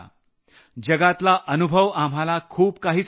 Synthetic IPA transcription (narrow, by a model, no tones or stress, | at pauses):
d͡ʑəɡat̪laʔənubʱəʋam̤alakʰuːbkaɦiːs